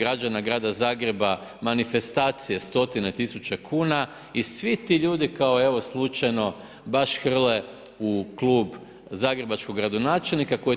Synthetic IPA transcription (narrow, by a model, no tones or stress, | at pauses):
ɡɾad͡ʒanaɡɾaːd̪azaːɡɾe̞ba | manife̞st̪aːt̪sijest̪o̞t̪ine̞t̪isut͡ʃekʰuːna | isʋit̪iʎuːd̪ikaoe̞ʋo̞slˠut͡ʃajno̞ | baʃxr̩le̞ | uklˠuːb | zaːɡɾe̞bat͡ʃkoɡɾad̪o̞naːt͡ʃe̞lnikako̞je